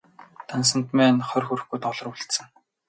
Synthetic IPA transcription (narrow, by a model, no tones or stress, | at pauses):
t̪ans̬ə̆nt̪mæːnχœrʲxuɾɵ̆xɡujt̪ɔɮɞ̆ruɮt̪sə̆ŋ